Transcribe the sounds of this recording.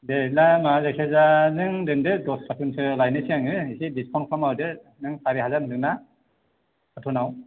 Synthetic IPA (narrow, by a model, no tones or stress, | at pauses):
delamazekʰezanɯŋdɯŋdɯdɔskʰatʰunsʰɯlajnɯsiaŋɯisidiskʰɔnkʰɾamawdɯ | nɯŋsʰaɾiɦazannɯŋna | kʰatʰunaw